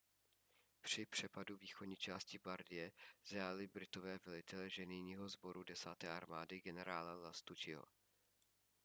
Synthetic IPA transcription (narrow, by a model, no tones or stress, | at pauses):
pr̥ɪpr̝̥ɛpaduviːxodɲiːt͡ʃaːscɪbaɾdɪjɛz̥aːlɪbɾɪt̪ovɛːvɛlɪt̪ɛlɛʒɛnɪjɲiːɦozbo̞ɾudɛsaːt̪ɛːʔaɾmaːdɪɡɛnɛɾaːlalast̪ut͡ʃɪɦo̰